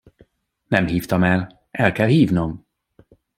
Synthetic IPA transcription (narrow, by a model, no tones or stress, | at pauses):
nɛmɦiːft̪ɒmɛl | ɛlkɛlhiːvnom